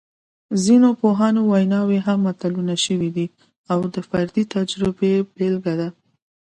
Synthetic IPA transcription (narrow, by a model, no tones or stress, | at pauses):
zinopoɦɑnowajnɑweɦamːat̪alunaʃəwid̪i | awd̪əfaɾd̪it̪ad͡ʒɾɪbebelɡad̪a